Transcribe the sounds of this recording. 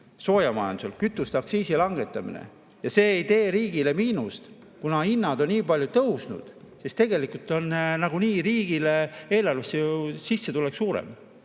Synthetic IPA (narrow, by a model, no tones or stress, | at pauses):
so̞ːjɑmɑjɑnd̪uselkyt̪ːˑust̪ɑksiːsilɑŋɡe̞t̪ːˑɑmḭnḛ | jɑse̞ːjt̪e̞ːɾiːɡ̥ile̞miːnust̪ | kunɑinːɑd̪onniːpɑlʲjut̪ɤwsnṵd̪̥sest̪e̞ɡe̞likult̪ːˑo̞nnɑɡ̥uniːɾiːɡ̥ilee̞ːlɑlvesːejusisːe̞t̪uleksuːɾḛm